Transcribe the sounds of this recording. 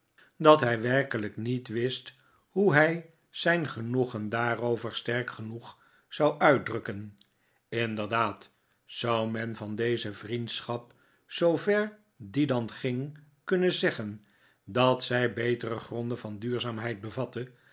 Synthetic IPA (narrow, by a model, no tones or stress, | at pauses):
dɑtɦɛjʋɛrkələknitʋɪst | huɦɛj | z̥ɛjnχənuχəndaːrowvəɹstɛɹkχənuχ | z̥ɑwʔœɥt̚drɵkən | ɪndəɹdaːt | sʌwmɛnvɑndejzəvrintsχɑp | sowvɛɹ | didɑnχɪŋ | kɵnəzɛχən | dɑtsɛjbejtərəχrɔndəvɑndyːɹzaːmɦɛjt̚bəvɑtə